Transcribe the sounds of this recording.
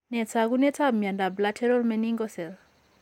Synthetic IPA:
nɛt͡sʰakunɛt͡sʰamjandablatʰɛɾɔlmɛniŋɡɔsɛl

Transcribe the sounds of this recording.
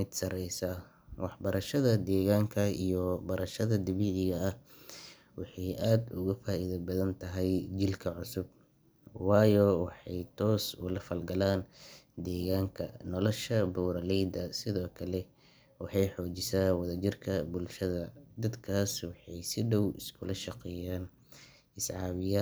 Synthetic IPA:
mɪd̪sɐɾɛjsɐ | wɑħbɐɾɐʃɐðɐd̪ɛːɣaːŋkʰɐijɔbɐɾɐʃɐðɐd̪ɪβɪʕɪɣɐɐh | wɑħɑjʔaːd̪ʊɣɐfaːʔiðɐbɐðɐnt̪ʰɐɦɛjd͡ʒɪlkʰɐʕʊsʊb̚ | wɑːjɔwɑħɑjt̪ʰɔːsʊ̰lɐfɐlɡɐlaːnd̪ɛːɣaːŋkʰɐ̰nɔlɔʃɐbuːɾɐlɛjd̪ɐsɪðɔːkʰɐlɛ | wɑħɑjħɔːt͡ʃɪsaːwɐðɐd͡ʒɪrkʰɐbʊlʃɐðɐd̪ɐd̪kʰaːswɑħɑjsɪɖɔwɪ̰skʰʊlɐʃɑqɛːjaːn | ɪsʕɑːβɪja

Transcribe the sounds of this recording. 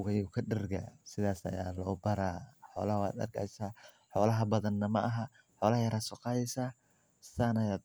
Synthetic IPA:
ʊɣɐjuːkʰɐɖɪrɡɐ̰sɪðaːsɐ̰jaːlɔːbɐɾaːħɔ̰ːlɐhɐwa̰ːd̪ɐ̰rɡa̰jsaː | ħɔːlɐɦɐbɐðɐnːɐmɐ̰ʔɐɦɐ | ħɔːlɐhɐjɐɾaːd̪sʊqɑjɛsaː | saːnɐjaːd̪̚

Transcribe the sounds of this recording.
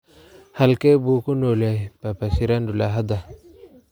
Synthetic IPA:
halkebukunolajpapasiɾandulaɦad̪a

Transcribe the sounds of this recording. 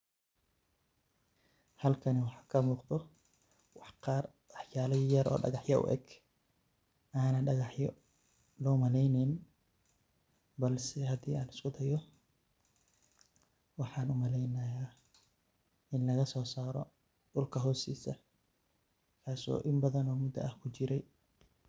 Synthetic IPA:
hɐlkʰɐnɛwɑħɑːkʰɐmuːqt̪ɔ | wɑħqɑːr | wɑħjaːlɐjɐɾʔɔ̰ːɖɑ̰ɣɑħjɐʊ̰ʔɛ̰ɡ | ʔaːnɐɖɑɣɑħjɔ | lɔːmɐlɛjnɪn | bɐlsɛɦɐd̪iːaːnɪskʊd̪ɐjɔ | wɑħɑːnʊmɐlɛjnɐjaː | ʔɪnlɐɣɐsɔːsaːɾɔ̰ | ɖʊlkʰɐɦɔːsḭːsɐ | kʰaːsɔ̰ːʔɪmbɐðɐnɔːmʊd̪ɐ̰ʔɐhkʰʊt͡ʃɪɾɛj

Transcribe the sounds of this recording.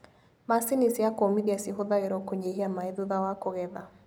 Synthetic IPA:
masinisiakomiðiasiɦoðaeɾɔkoɲeɦiamaeðuðawakoɣɛða

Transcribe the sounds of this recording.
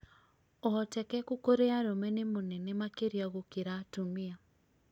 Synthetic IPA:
ɔɔtɛkɛkokoɾeaɾomɛnemonɛnemakeɾiaɣokeɾaːtomia

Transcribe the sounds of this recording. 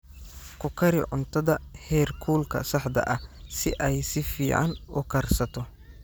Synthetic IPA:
kʰʊkʰɐɾɪ̰ʕʊnt̪ʰɐðɐhɛːrkʰuːlkʰɐ̰sɐħd̪ɐ̰ʔɐsɪʔɛjsɪfiːʕɑ̰nʊkʰɐrsɐt̪ʰɔ

